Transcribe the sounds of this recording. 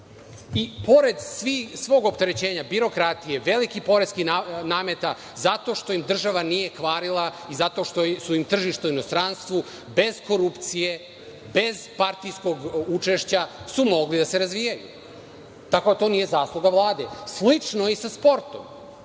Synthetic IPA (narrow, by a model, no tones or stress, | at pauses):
ipo̞ɾe̞d̪sʋisʋo̞ːɡopt̪e̞ɾe̞t͡ɕeːɲabiɾo̞kɾat̪ije̞ʋe̞likipo̞ɾeskianaːme̞t̪a | zat̪o̞ʃt̪o̞jimd̪r̩ʒaʋanije̞kʋaːɾilˠaizat̪o̞ʃt̪osuimt̪r̩ʒiʃt̪auino̞st̪ɾanst̪ʋu | be̞zko̞ɾupt̪sije̞ | be̞zpaɾt̪ijsko̞ɡut͡ʂe̞ʃt͡ɕasumo̞ɡlid̪ase̞ɾazʋijajṵ | t̪ako̞d̪at̪o̞nije̞zaːslˠuɡaʋlˠaːd̪e̞slit͡ʂnoisaspo̞ɾt̪o̰m